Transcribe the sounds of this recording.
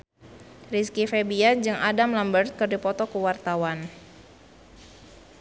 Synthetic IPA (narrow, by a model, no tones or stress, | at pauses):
riskifebiand͡ʒɨŋadamlambərt̪̚kɨrdipɔt̪ɔkuwart̪awan